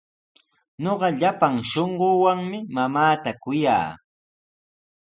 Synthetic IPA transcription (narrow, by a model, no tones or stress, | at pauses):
ɲoɢɑʎapaŋʃoɴɢowaŋmɪmamaːt̪akʊja̰ː